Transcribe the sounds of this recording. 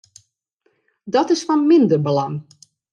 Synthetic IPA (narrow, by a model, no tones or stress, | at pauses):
dɔtɪsfɔnmɪndərbəlaŋ